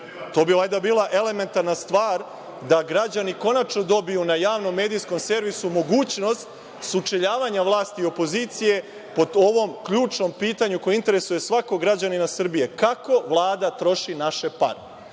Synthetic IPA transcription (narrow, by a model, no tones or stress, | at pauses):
t̪o̞ːbiajd̪abiːlˠaʔe̞le̞me̞nt̪aɾnast̪ʋaːɾ | d̪aɡɾad͡ʑaniko̞nat͡ʃno̞d̪o̞bijunajaːʋno̞mːe̞ːd̪ijsko̞mse̞ɾʋisumo̞ɡuːt͡ɕno̞st̪ | sut͡ʂeʎaːʋaɲaʋlˠaːst̪iːo̞po̞ziːt̪sije̞ | po̞d̪o̞ʋo̞mkʎuːt͡ʂno̞mpiːt̪aɲuko̞jeint̪e̞ɾe̞suje̞sʋako̞ɡɾad͡ʑaninasr̩bije̞kako̞ʋlˠaːd̪at̪ɾo̞ʃinaʃe̞pa̰ɾe